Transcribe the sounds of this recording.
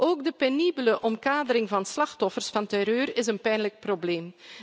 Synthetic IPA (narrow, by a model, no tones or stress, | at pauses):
ʔoːɡdəpenibələʔɔmkaːdəɾɪŋvɑnslɑxtɔfərsfɑntɛɾøːɾɪzənpɛjnlək̚probleːm